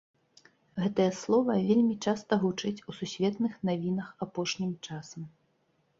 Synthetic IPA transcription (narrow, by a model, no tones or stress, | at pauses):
ɣɛt̪ɐjɐslˠɔvɐvʲelʲmʲit͡ʂast̪ɐɣut͡ʂɨt͡sʲususʲvʲɛt̪nɨxnavʲinɐxapɔʂnʲimt͡ʂasɐm